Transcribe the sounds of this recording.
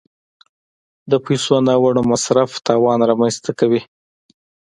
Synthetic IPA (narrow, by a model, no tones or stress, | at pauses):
d̪əpajsonɑwaɽomasɾaft̪ɑwɑnɾɑmanst̪akawi